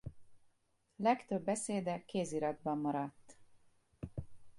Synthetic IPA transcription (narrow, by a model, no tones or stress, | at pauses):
lɛkt̪øbːɛseːd̪ɛkːeːziɾɒd̪bɒmːɒɾɒt̪ː